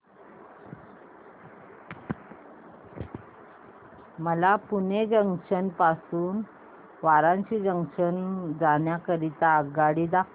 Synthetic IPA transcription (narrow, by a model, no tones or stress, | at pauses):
məlapuned͡ʑəŋʂənpasuːn | ʋaɾãɲt͡ɕiːd͡ʑəŋʂənd͡zaɳjakəɾit̪aəɡaɽid̪ak